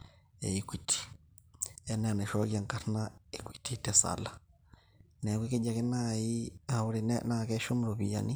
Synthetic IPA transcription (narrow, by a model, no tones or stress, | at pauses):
ɛ̰ikwitʰi̥ | ɛnɛnɛʃɔɣjaŋkaɾnaikwititɛsa̰la | nɛkiked͡ʒakenaiauɾennakɛʃomuɾoβija̰ni